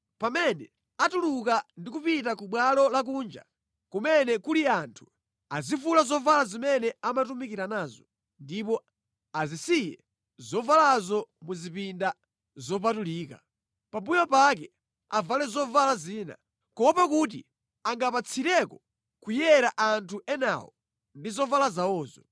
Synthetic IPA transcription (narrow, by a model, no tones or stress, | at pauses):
pamɛnɛ | atulukandikupit̬akuɓwalɔlak̬uːnd͡ʒa̰ | kumɛnɛkuliantʰu̥ | azifulazɔvalazimɛnɛamatumikiɾanaːzɔ | ndipɔ | azisijɛ̰ | zɔvalazɔmuzipinda | zɔp̬atuliːka̰ | pambujɔpak̬ɛ | avalɛzɔvalaziːna̰ | kɔpak̬ut̬ḭ | aŋɡapat͡sʰiɾɛkɔ | kujɛɾaʔantʰuʔɛna̰wɔ | ndizɔvalazawɔːzɔ